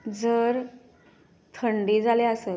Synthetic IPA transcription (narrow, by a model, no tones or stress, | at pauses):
d͡zəɾ | t̪ʰəɳɖiːd͡zʱaleəset̪